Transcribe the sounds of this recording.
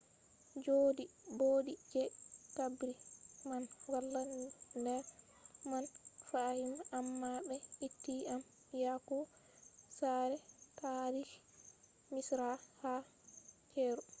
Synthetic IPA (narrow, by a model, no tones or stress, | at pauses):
d͡ʒoːdiboːdid͡ʒɛtabɾimanwalːanndɛɾ | manfahimʔamːabɛitːiam | jakɔ | saɾɛtaɾiʃ | misɾaha | kɛːɾu